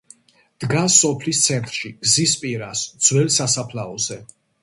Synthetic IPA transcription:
d̪̥ɡasːɔpʰlist̪sʰɛnt̪ʼɾʃiɡ̥zispʼiɾasd̪z̥wɛlsasapʰlaɔzɛ

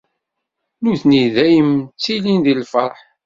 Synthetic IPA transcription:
nuθniðæjəmt͡sːilinðilfəɾˤħ

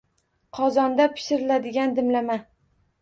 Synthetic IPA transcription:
qʰɒzɒnd̪apʰɪ̥ʃɪɾɪlad̪ɪɡʲand̪ɪmlama

